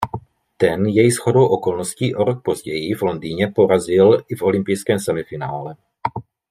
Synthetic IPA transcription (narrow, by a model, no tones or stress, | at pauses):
t̪ɛnjɛjsxo̞do̞wʔo̞ko̞lnosciːʔo̞ɾok̚po̞zɟɛjɪvlo̞ndiːɲɛpo̞ɾazɪlɪfo̞lɪmpɪjskɛːmsɛmɪfɪnaːlɛ